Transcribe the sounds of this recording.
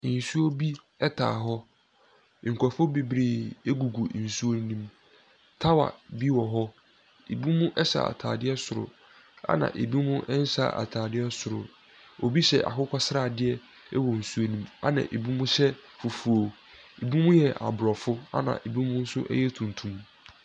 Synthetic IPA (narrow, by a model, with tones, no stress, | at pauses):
n̩˨su˦o˦bi˦ | ɛ˦tʰa̰ː˨ɦɔ˦˨ | ŋ̩˨kʰʷɔ˨fʊ˦be˨bɾeː˦˨e˦ɡu˨ɡu˨n̩˨su˦o˦nĩ˦m | tʰa˦wa̰˨bi˦wɔ˨ɦɔ˦ | e˨bi˦mũ˦ʔɛ˦sa̰˨a̰˨tʰaː˨dɪ˦ɛ˦sʊ˨ɾʊ̰˨ | a̰˦nã̰˨ʔe˨bi˦mʊ̃˦ʔɛ˦n̩˦sa̰˨ʔa̰˨tʰaː˨dɪ˦ɛ˦sʊ˨ɾʊ̰˨ | o˨bi˦ɕɛ̰˨ʔa̰˨kʰʊ˦kʷa˦sɾa˦˨dɪ˦ɛ˦˨ | ɛ˦wɔ˨n̩˨su˦o˦nĩ˦ma̰˦nã̰˨ʔe˨bi˦mũ˦sɛ˦fu˨fu˨o˨ | e˨bi˦mũ˦jɛ˨ʔa̰˨bɾɔ˨fʊ˦a̰˦nã̰˨ʔe˨bi˦mʊ̃˦n̩˦sʊ˦ʔɛ̰˦jɛ˦tʰũ˨n˨tʰũ˨m